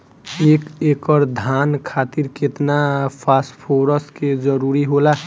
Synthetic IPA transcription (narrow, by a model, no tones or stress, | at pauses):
eːkekəɾd̪ʱankʰat̪iɾket̪napʰaspʰoɾəsked͡ʒəɾuɾiɦola